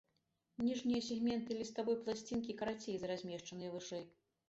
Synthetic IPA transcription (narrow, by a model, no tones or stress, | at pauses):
nʲiʐnʲijɐsʲɛɣmʲɛnt̪ɨlʲist̪abɔjplˠasʲt͡sʲinkʲikɐɾat͡sʲejzɐɾazʲmʲɛʂt͡ʂɐnɨjɐvɨʂɛj